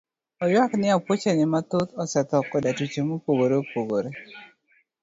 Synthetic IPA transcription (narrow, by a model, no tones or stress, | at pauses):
ɔjwaknɪapwot͡ʃenɪmat̪ot̪ɔsɛt̪ɔkːɔdatut͡ʃemopoɡoɾeopoɡoɾe